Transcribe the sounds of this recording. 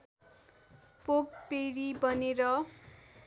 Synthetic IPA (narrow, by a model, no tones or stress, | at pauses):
pok̚peɾibʌneɾʌ